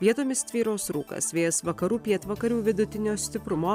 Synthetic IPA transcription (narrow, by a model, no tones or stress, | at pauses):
ʋʲiɛt̪oːmʲɪst̪ʲʋʲiːɾoːsɾṵːkɐ̰sʋʲeːjɛsʋɐkɐɾuːpʲiɛt̪ʋɐkɐɾʲuːʋʲɪd̪ʊt̪ʲɪnʲoːsʲt̪ʲɪpɾʊmoː